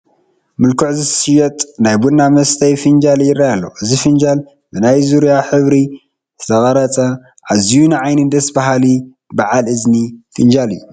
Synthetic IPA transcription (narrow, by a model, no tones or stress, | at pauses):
mɨlkʰuʕzɨsɨjɛt̪ʼnajbudnamɐst̪ʰɐjfɨnd͡ʒaljɪrːajalːo̰ʔɨzifɨnd͡ʒal | bɨnajzuɾijaħɨβɾi | zɨt̪ʰɐɣʼɐɾɐt͡sʼɐ | ʕazijunɨʕajnɨd̪ɐsbaɦali | baʕalɨznifɨnd͡ʒalɨjːu